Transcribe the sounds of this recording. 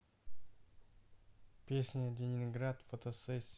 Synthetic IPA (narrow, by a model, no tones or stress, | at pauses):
pʲesʲnʲəlʲenʲɪnɡɾat̪fot̪osɛsʲ